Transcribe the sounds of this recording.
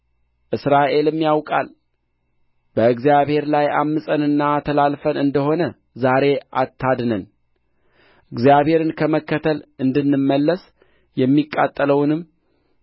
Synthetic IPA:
ʔɨsɾaʔe̞lɨmːjawkʼa̰l | b̥əɨɡzjaβhe̞ɾlaja̰mːɨsʼənɨnːat̪ʰəlalfənɨnd̪əho̞nə | zaɾe̞ʔa̰t̪ʰːad̪nən | ʔɨɡzjaβhe̞ɾɨnkʰəməkːət̪ʰəlɨnd̪ɨnːɨmːəlːəs | jɛmːikʼːat̪ʼːələwnɨm

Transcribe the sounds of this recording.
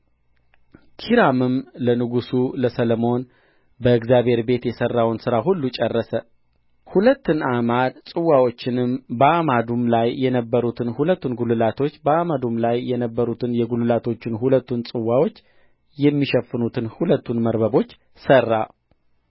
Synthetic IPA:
kʰiɾamɨmlənɨɡusuləsələmo̞n | bəɨɡzjaβhe̞ɾbe̞t̪jɛsərːawnsɨɾaɦulːut͡ʃʼɛrːəsə | hulət̪ːɨnamad̪sʼɨwːawo̞t͡ʃːɪnɨmbəʔamad̪umlajːɛnəbːəɾut̪ʰɨnhulət̪ːunɡulɨlat̪ʰo̞t͡ʃːbəamad̪umlajːɛnəbːəɾut̪ʰɨnjɛɡulɨlat̪ʰo̞t͡ʃːɪnhulət̪ːunsʼɨwːawo̞t͡ʃː | jɛmːiʃɛfːɨnut̪ʰɨnhulət̪ʰːunməɾbəbo̞t͡ʃː | sərːa

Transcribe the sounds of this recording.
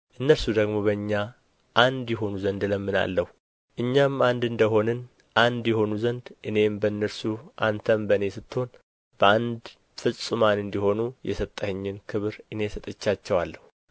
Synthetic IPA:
ʔɨnːəɾsud̪əɡmo̞βəɨɲːa | ʔand̪jɛɦo̞nuzənd̪ləmːɨna̰lːəhu | ʔɨɲːamand̪ɨnd̪əɦo̞nɨn | ʔand̪jɛho̞nuzənd̪ʔɨne̞mbəɨnːəɾsuʔa̰nt̪ʰəmbəne̞sɨt̪ːho̞n | b̥əand̪ | fɨsʼɨmanɨnd̪iho̞nujɛ̰sət̪ʼːəhɨɲːɪnkʰɨβɾʔɨne̞sət̪ʼɨt͡ʃːat͡ʃːɛwalːəhu

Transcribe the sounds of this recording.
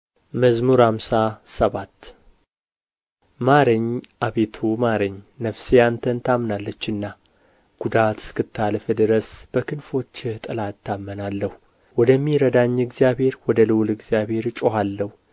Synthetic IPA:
məzmuɾamsasəβat̪ː | maɾəɲːʔaβet̪ʰumaɾəɲːnəfsiant̪ʰənt̪ʰamnalːət͡ʃːɨnːa | ɡ̥ud̪at̪ɨ̥skɨt̪ʰːalfəd̪ɨɾəsb̥əkʰɨnfo̞t͡ʃːɪht̪ʼɨlatt̪ʰːamːənalːəhu | wɔd̪əmːiɾəd̪aɲːɨɡzijabhe̞ɾwɔd̪əlɨwlɨɡzijaβhe̞ɾt͡ʃʼoɦalːəhu

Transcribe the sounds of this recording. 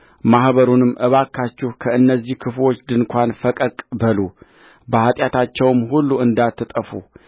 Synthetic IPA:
mahβəɾunɨmːʔɨβakʰːat͡ʃːɪhkʰəɨnːəzːihkʰɨflo̞t͡ʃːd̪ɨnkʷanfəkʼəkʼbəlu | bəhat̪ʼjat̪ʰat͡ʃːɛwmɦulːuɨnd̪at̪ːɨt̪ʼəfṵ

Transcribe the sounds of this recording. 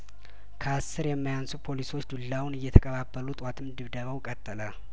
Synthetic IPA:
kʰəasːɨɾjɛmːajansupʰo̞liso̞t͡ʃːd̪ulːawnɨjːɛt̪ʰəkʼəβabːəlut̪ʼwat̪ʰɨmd̪ɨβd̪əβəwkʼət̪ʼːələ

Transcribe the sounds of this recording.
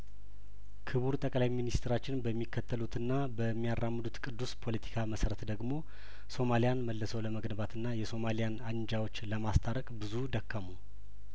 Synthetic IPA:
kʰɨβuɾt̪ʼəkʼlajminist̪ʰɾat͡ʃːɪnbəmːikʰːət̪ʰːəlut̪ʰɨnːabəmːijaɾːamːɨd̪ut̪kʼɨd̪ːuspʰo̞lət̪ʰi̥kʰaməsəɾət̪d̪əɡmo̞ | so̞malijanməlːəsəwləməɡnəbat̪ʰɨnːajɛso̞malijanaɲd͡ʒawo̞t͡ʃːləmast̪ʰaɾəkʼbɨzud̪əkːəmu

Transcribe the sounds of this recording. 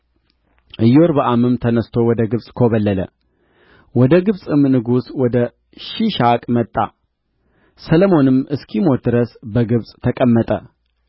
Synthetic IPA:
ʔɨjoɾbəʔamɨmt̪ʰənəst̪ʰo̞wɔd̪əɡɨβsʼkʰo̞βəlːələ̰ | wɔd̪əɡɨβsʼɨmnɨɡuswɔd̪ə | ʃiʃakʼmət̪ʼːa̰ | sələmo̞nɨmɨskʰimo̞d̪ɨɾəsbəɡɨβsʼt̪ʰəkʼəmːət̪ʼə

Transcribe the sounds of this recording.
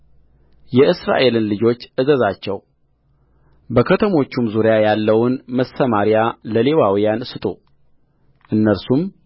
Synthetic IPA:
jɛʔɨsɾa̰ʔe̞lɨnlɨd͡ʒo̞t͡ʃːʔɨzəzat͡ʃːɛw | bəkʰət̪ʰəmo̞t͡ʃːumzuɾjajalːəwʊnməsəmaɾijaləle̞wawijansɨt̪ʼo | ʔɨnːəɾsum

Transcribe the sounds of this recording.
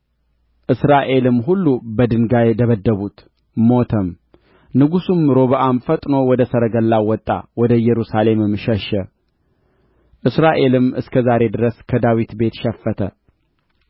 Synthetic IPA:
ʔɨsɾaʔe̞lɨmːɦulːubəd̪ɨŋɡajɛt̪ʰəβəd̪ːəβut̪ | mo̞t̪ʰəm | nɨɡusumɾo̞βəʔamfət̪ʼno̞wɔd̪əsəɾəɡəlːawɔt̪ʼːa̰wɔd̪əjɛɾusale̞mɨmʃəʃə | ʔɨsɾaʔe̞lɨmɨskʰəzaɾe̞d̪ɨɾəskʰəd̪awit̪be̞t̪ʃɛfːət̪ʰə

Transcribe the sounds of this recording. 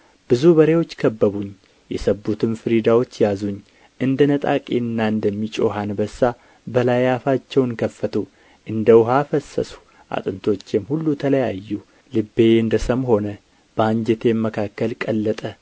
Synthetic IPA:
b̥ɨzubəɾe̞wo̞t͡ʃːkʰəbːəβuɲ | jɛsəbːut̪ʰɨmfɨɾid̪awo̞t͡ʃːjazuɲː | ʔɨnd̪ənət̪ʼakʼenːaɨnd̪əmːit͡ʃʼo̞ɦanbəsːa | bəlajafat͡ʃːɛwnkʰəfːət̪ʰu | ʔɨnd̪əwʊɦafəsːə̰su̥ | ʔa̰t̪ʼɨnt̪ʰo̞t͡ʃːjɛmhulːut̪ʰələjajːu | lɨbːeɨnd̪əsəmho̞nə | b̥əaɲd͡ʒɛt̪ʰe̞mːəkʰakːəlkʼəlːət̪ʼə

